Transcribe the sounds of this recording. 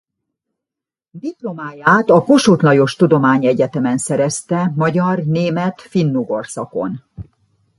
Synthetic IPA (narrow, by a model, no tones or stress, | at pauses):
d̪iplo̞maːjaːt̪ɒko̞ʃot̪lɒjo̞ʃt̪ud̪o̞maːɲɛɟɛt̪ɛmɛnsɛɾɛst̪ɛmɒɟɒrneːmɛt̪finːuɡo̞rsɒko̞̰n